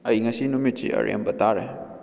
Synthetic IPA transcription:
ɐjŋɐsinumit͡ʃḭɐ̰ɾḛmbɐt̪aɾe

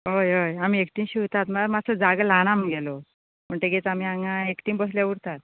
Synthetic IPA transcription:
ɦojojam̤iekʈimɕiʋt̪at̪məmat͡sʰəd͡zaɡəlañamɡelo | məɳʈeɡet͡sam̤iaŋãekʈimbəɦljauɽt̪at̪̚

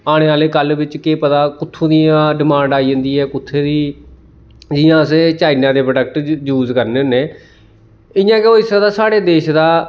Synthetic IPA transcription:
aːɽ̃eːaːleːkəlʋɪt͡ʃkeːpət̪aːkʊt̪ʰːũːd̪ijãːɖɪmãːɳɖaːiːd͡ʒə̃nd̪iːɦɛːkʊt̪ʰːeːd̪iː | d͡ʒɪːjãːəseːt͡ʃaːɪnãːd̪eːpɾɖək̚ʈjuːzkəɾneːoneː | ɪjãːkeoːɪsãːd̪aːsaːɽeːd̪eːʃd̪aː

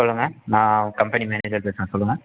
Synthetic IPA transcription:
sɔlːɯŋɡɐnãːkɐmpɛnimɛːneːd͡ʒɐɾpeːsɯŋɡɐsɔlːɯŋɡɐ

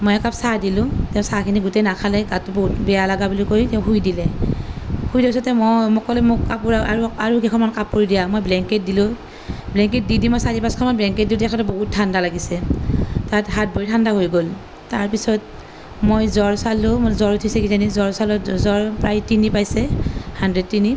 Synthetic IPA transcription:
mojakapsadilʊ̃tɛʊ̃sakʰiniɡutenakʰalɛɡatuboɦutbɛjalaɡabulikojtɛʊ̃ɦujdilɛ | hujdɛpisɔtɛmɔmʊkːɔlɛmʊkkapuɹaaɹuaɹukɛkʰɔnmankapkoɹidijamojblɛŋket̚dilʊ | blɛŋk̬et̚didimɔjsaɹipaskʰɔnmanblɛŋkɛt̚diʊtɛkʰɔtɔboɦut̚tʰːandalaɡisɛtatɦat̚boɹitʰandaɦojɡol | taɹpisɔt | mojzɔɹsalʊmzɔɹutʰisɛkizanizɔɹsalɔzɔɹpɹajtinipajsɛhandɹed̚tːini

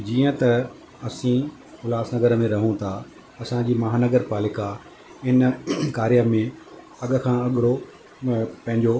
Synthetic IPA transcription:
d͡ʑiːə̃t̪ɐ | ɐsĩ | xʊlaːsnɐɡəɾmẽɾɐɦũt̪ʰa | ɐsãd͡ʑiːmɐɦaːnɐɡəɾpaːlɪka | ɪnkaːɾijəmẽ | ɐɠ̆kʰãːɐɠɪɽo | pɐ̃ɦɪ̃ɲd͡ʑo

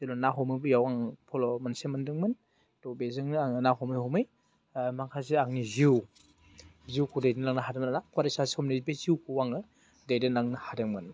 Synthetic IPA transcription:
elɔnaɦɔmɯjbɯjawaŋpʰɔlɔmansemɯndɯŋmɯn | dɔbezɯŋnaŋnaɦɔmɯjhɔmɯj | maŋkʰasiaŋniziw | ziwkʰudajdinnaŋnaɦadɯmnanakwaɾisashɔmnibeziwkʰuwaŋɯ | dajdɯnaŋnɯhadɯŋmɯn

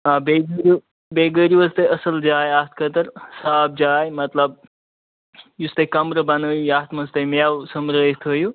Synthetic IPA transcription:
aːbeɡəɾu | beːɡəɾjuəst̪ɐjɐsɐld͡ʒaːjaːt̪ʰkət̪ɐɾsaːb̚d͡ʒaːjmɐt̪ləb̚ | just̪ɐkɐmɾəbɐnəjujaːt̪ʰmɐst̪ɐmjawsəmɾəːjt̪ʰoju

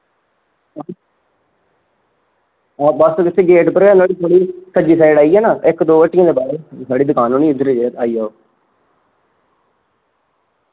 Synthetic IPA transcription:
bəskɪt̪ʰːeːɡeːʈpəɾɛːnaːɽiːt̪ʰoːɽiːsəd͡ʒiːsaːɪɽaːiːɛːnaːʔɪkd̪oːʋəʈːɪjãːd̪eːbaːɾeːsaːɽiːd̪ʊkaːnɦoːnĩːʊd̪əɾeːd͡ʒeːaːiːaːoː

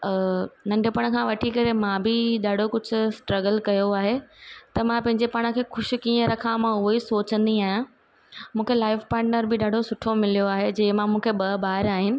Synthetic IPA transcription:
nɐ̃ɳɖʱjəpɐɽ̃kʰãːʋɐʈʰikɐɾemãbɪɗaːɖʱokʊd͡ʑʱʊ̆sʈɾɐɡəlkɐjoaːɦet̪ɐmãpɐ̃ɦɪ̃ɲd͡ʑepaɽ̃ə̃kʰeːxʊʃ̆kiːə̃ɾɐkʰãmãʊɦoisoːt͡ɕə̃nd̪iaːɦjã | mũːkʰelaːɪfpaːɾʈnəɾbɪɗaːɖʱosʊʈʰomɪlijoaːɦed͡ʑɐ̃ːɪ̃mãmũːkʰeɓɐbaːɪɾaːɦɪnɪ̆

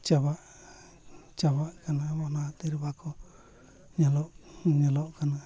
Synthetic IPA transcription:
t͡ʃaβaʔ | t͡ʃaβaʔkanãβonãt̪iɾbakʰo | ɲãloʔɲãloʔkanã

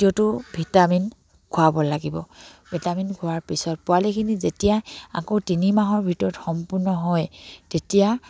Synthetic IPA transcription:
tiɔtʊbʱitamin | kʰʊabɔlaɡibɔ̰bʱitaminkʰʊaɹpisɔt̚pʊwalekʰinizetijaa̰kotinimaɦɔɹbʱitɔɹɔtxɔmpuɹnɔɦɔjtetija

